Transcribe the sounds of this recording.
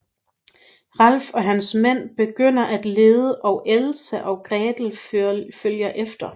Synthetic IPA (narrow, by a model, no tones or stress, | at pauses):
ʁɑl̰fɒ̽ɦænsmen̰b̥e̝ɡ̥øn̰ɐʔæd̥le̝ːðˠəʔɒ̽ʊʔelsəʔɒ̽ʊɡ̥ʁɛːd̥l̩føljɐʔefd̥ɐ